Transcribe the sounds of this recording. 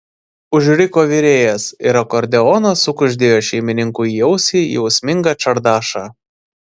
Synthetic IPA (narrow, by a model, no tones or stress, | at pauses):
ʊʒʲɾʲɪkoːʋʲiɾʲeːjɛsḭɾɐkɔɾʲd̪ʲɛɔnɐsʊkʊʒʲd̪ʲeːjoːʃʲɛɪmʲɪnʲɪŋkʊːijɛʊsʲiːjɛʊsʲmʲɪŋɡɑt͡ʃɐɾd̪ɑːʃɑː